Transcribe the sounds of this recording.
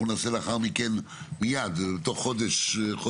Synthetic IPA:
unaselaχaʁmiken | mijad̪bet̪oχːod̪eʃχo

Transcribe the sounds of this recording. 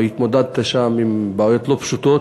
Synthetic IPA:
it̪mo̞d̪ad̪t̪aʃamimbaːjo̞t̪lo̞pʃut̪o̞t̪

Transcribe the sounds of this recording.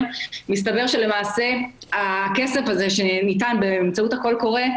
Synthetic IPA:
mistabe̞ʁʃe̞le̞maːse̞akesefazeʃenitanbeːmt͡sauthako̞lko̞ʁe

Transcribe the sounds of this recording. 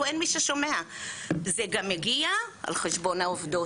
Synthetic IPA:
enmiʃeʃomeazeɡameɡiaʔa̰lχeʃbo̞naovd̪o

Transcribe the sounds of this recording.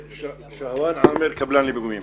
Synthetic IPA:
ʃahwaːnʕaːmeɾkʰɐblaːnliːbɨɡumiːm

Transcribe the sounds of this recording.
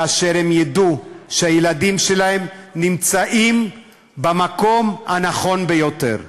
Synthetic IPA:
aʃeʁemjaduʃehajeladimʃelahe̞mnimt͡saʔim | bamako̞mhanaχo̞nbejo̞te̞̰ʁ

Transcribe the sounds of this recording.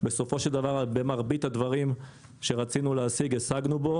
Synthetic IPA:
be̞so̞fo̞ʃe̞ld̪avaʁabemaʁbit̪ad̪vaʁim | ʃeʁat͡sinuleasiɡesaɡnubo̞

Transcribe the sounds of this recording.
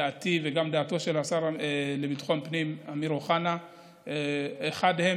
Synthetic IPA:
aʔːtiveɡamd̪aːto̞ʃe̞lasaʁelebitχo̞npnimamiɾoχana | eχadhe̞

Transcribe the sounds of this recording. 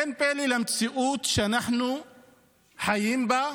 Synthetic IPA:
enpeːlilamt̪siʔuːt̪ʃanaħnu | ħajiːmba

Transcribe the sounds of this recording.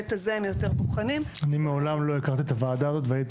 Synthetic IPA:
t̪azeemjo̞t̪e̞ʁboχanimanimeolamlo̞ikaʁt̪iet̪avaːd̪aːzo̞t̪veait

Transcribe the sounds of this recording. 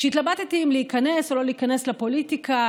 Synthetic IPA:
ʃɛit̪labat̪t̪iimleikane̞solo̞liikaneslapo̞lit̪ika

